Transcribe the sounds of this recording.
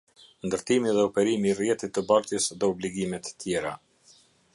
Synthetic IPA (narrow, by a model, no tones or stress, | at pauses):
nd̪əɾt̪imiðɛɔpɛɾimirjɛt̪it̪ːəbaɾt̪jəsðɛɔbliɡimɛt̪ːjɛɾa